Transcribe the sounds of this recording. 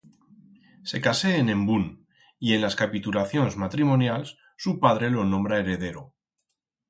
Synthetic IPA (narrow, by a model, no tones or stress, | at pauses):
se̞kaseːnẽ̞mbun | ie̞nlaskapit̪ulaθjo̞nzmat̪ɾimo̞njals | supaðɾe̞lo̞nõ̞mbɾae̞ɾe̞ðe̞ɾo